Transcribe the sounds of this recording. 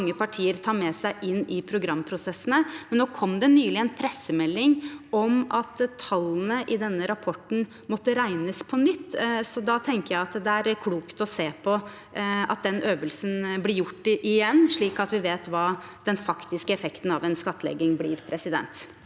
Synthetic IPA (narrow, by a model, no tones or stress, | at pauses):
ŋːəpɑʈʰiːəɾt̪ʰɑːɾmɛsæɪʔɪnːɪpʰɾʊɡɾɑmːpʰɾʊsɛsːənəmɛnnoːkʰɔmd̪ɛnyːlɪɛnpʰɾɛsəmɛlːɪŋɔmɑt̪t̪ʰɑlːnəʔɪd̪ɛnːəɾɑpʰɔʈɳ̩ | mɔt̪ːəɾæɪnəspʰɔnʏt̪ːsɔd̪ɑt̪ʰɛŋkəɾjæɪɑt̪d̪ɛæɾkʰluːkt̪ɔseːpʰɔ | ɑ̰t̪̚d̪ɛnøːʋəlsn̩blɪɾjʊʈːɪʔɪjɛnːʂɭiːkɑt̪ʋɪʋeːt̪ʋɑːd̪̥ɛnfɑkt̪ɪskəɛfɛkt̪n̩ɑʋɛnskɑt̪ːəlɛ̰ɡɪŋblɪːɾpʰɾɛsɪd̪ɛ̰nt̪